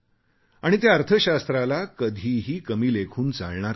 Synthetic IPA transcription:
aɽ̃it̪jaəɾt̪ʰəɕast̪ɾalakəd̪ʱiːɦiːkəmiːlekʰuːnt͡sa̰ɭɳaɾ

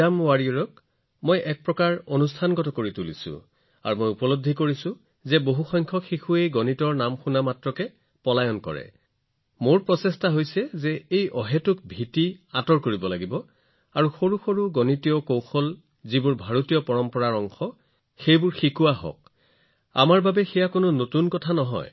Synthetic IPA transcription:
amwaɹiɹɔk | mojʔɛk̚pɹɔkaɹonustʰanɡɔtɔkoɹitulḭsʊ̰̃ | a̰ɹumojupɔlod̪ʱːikoɹisʊ̃ | zɛboɦuxɔjŋkʰɔxixuejɡɔnitɔɹnamxunamatɹɔkɛ | pɔlajɔnkɔ̰ɹɛ̰ | moɹpɹɔsɛstaɦojsɛzɛejʔɔɦɛtʊk̚bʱitiatɔɹkoɹibɔlaɡibɔ | aɹuxoɹuxoɹuɡɔnitijɔkowxɔl | zibʊɹbʱaɹotijɔpɔɹɔmpɔɹaɹɔŋxɔ | xejbʊɹxikuwaɦɔ̰k | a̰maɹbabɛxɛjakonʊnotunkɔtʰanɔɦɔ̰j

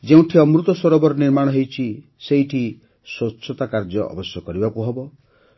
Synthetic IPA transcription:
d͡ʒeũʈʰiɔmɾut̪ɔswɔɾɔbɔɾɔniɾmaɽ̃ɔɦejt͡ʃʰi | seiʈʰi | swɔtːt͡ʃʰːɔt̪akaɾd͡ʒɔʔɔ̰bɔsjɔkɔɾibakuɦɔbɔ

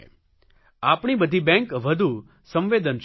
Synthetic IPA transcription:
apɳibəd̪ʱibɛ̃ŋkʋəd̪ʱu | sə̃mʋed̪ənʃ

